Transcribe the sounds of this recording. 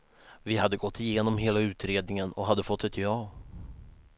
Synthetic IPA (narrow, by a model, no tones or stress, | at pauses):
vɪhad̪ːəɡɔt̪ʰːɪjeːnɔmɦeːlaʉ̟ːt̪ɾeːd̪nɪŋənɔɦad̪ːəfɔt̪ːɛt̪jɑː